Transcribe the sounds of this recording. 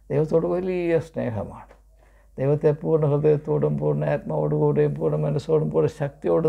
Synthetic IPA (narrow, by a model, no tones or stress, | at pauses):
d̪̥ejʋɐt̪ːoːɽɨʋɐlijɐsnḛːɦɐ̰ma̰ːɳɨ̥ | d̪̥ejʋɐt̪ːepuːrɳɨkɐd̪ejɐt̪ːoːɽumpuːrnːɨaːt̪̚mɐoːɽukuːɽejumpuːrɳɨmɐnːesoːɽumpoːɳɨɕɐk̚t̪ijoːɽɨ